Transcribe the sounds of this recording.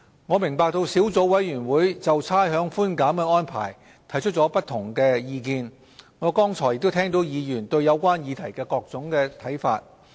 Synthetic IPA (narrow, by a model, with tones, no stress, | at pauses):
ŋɔː˨˧mɪ˨˩ŋpaː˧k̚t̪o˧wsiː˨˥wt͡so˨˧˥wwɐ˨˥jɥyː˨˩nwuː˨˥jt͡sɐ˨wt͡sʰaː˥jɦœː˨˥ŋfuː˥nkaː˨˥mkɛː˧ɔː˥npʰa̰ː˨˩j | t̪ʰɐ˨˩jt͡ʃʰɵ˥t̚t͡sɔː˨˥pɐ˥t̚t̪ʰʊ˨˩ŋkɛː˧jiː˧kiː˧n | ŋɔː˨˧kɔː˥ŋt͡sʰɔː˨˩jɪ˧k̚t̪o˥t̪ʰɛː˥ŋt̪o˨˥wjiː˨˧jyː˨˩nt̪ɵ˧ɥjɐ˨˧wkʷwaː˥njiː˨˧t̪ʰɐ˨˩jkɛː˧kɔː˧k̚t͡sʊ˨˥ŋkɛː˧t̪ʰɐ˨˥jfa̰ː˧t̚